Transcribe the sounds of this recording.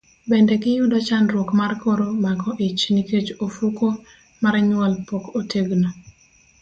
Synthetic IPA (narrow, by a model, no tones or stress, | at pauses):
bɛndɛkɪjʊdɔt͡ʃanɾwokmarkoɾomaɡɔʔɪt͡ʃniket͡ʃofuko | maɾaɲwɔlpokoteɡno